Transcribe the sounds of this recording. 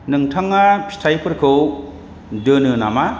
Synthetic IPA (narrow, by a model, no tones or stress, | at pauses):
nɯŋtʰaŋːapʰistʰajpʰɯɾkʰɯw | dɯnɯna̰ma